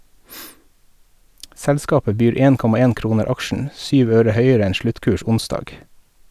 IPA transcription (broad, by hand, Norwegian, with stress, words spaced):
ˈsɛlˌskɑːpə ˈbyːɾ ˈeːn ˈkɔmɑ ˈeːn ˈkɾuːnəɾ ˈɑkʃɳ̩ ˈsyːʋ ˈøːɾə ˈhœʏəɾə ˈɛn ˈʃɭʉtˌkʉːʃ ˈʊnˌsdɑːɡ